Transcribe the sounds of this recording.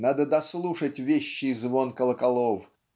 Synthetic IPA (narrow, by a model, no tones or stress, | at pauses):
nad̪əd̪ɐslˠuʂətʲvʲeɕːɪzvonkəlˠəkɐlˠof